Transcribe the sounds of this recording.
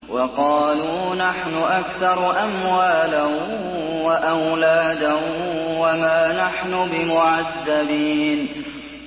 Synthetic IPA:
wɑqɑːluː | naħnʊʔakθɑɾˤʔamwwaːla | waʔawlaːd̪awamaːnaħnʊbɪmʊʕaðːabiːn

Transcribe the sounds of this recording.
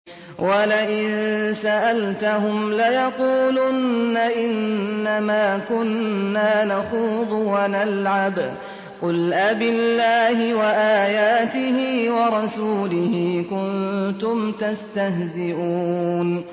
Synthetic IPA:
wʔalaʔɪnsaʔalt̪aɦʊmlajɑquːlʊnːaʔɪnːamaːkʊnːaːnaxuːðˤʊwanalʕab | qʊlʔabɪlːaːhɪwaʔaːjaːt̪ɪhɪːwɑɾˤɑsuːlɪhɪːkʊnt̪ʊmt̪ast̪aɦzɪʔuːn

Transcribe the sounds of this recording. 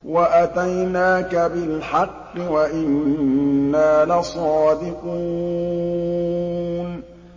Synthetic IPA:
waʔat̪ajnaːkabɪlħɑqːɪwaʔɪnː | aːlasˤɑːd̪ɪquː | n

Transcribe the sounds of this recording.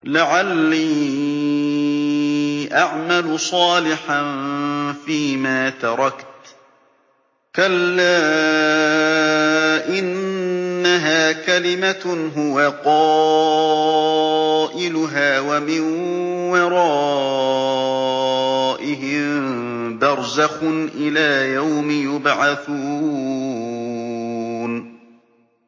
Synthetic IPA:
laʕalːiː | ʔaʕmalʊsˤɑːlɪħanfiːmaːt̪ɑɾˤɑkt̪ | kalːaː | ʔɪnː | aɦaːkalɪmaɦʊwaqɑː | ʔɪlʊɦaːwamɪnwɪɾˤɑː | ʔɪɦɪm | d̪ɑɾˤzaxʊnʔɪlaːjawmɪjʊbʕaθuː | n

